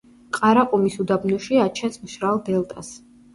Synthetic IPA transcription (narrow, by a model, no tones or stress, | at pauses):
qʼaɾaqʼumisud̪abnɔʃiat͡ʃʰɛnsmʃɾalˠd̪ɛlˠt̪ʼas